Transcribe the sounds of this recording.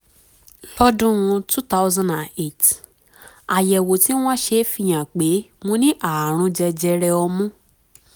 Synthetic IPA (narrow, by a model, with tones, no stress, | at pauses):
ɔ˦dũ˦ũ˧tu˦t̪a˦wzã˧ndã˨ne˦˨t | a˨jɛ˨wo˨ti˨˦w̃ɔ̃˦ʃe˧˦fi˦˨j̃ã˨k͡pe˨˦mõ˧˦nĩ˦ʔa˨ɾ̃ũ˧d͡ʒɛ˧d͡ʒɛ˧ɾɛ˧ɔ˧mũ˦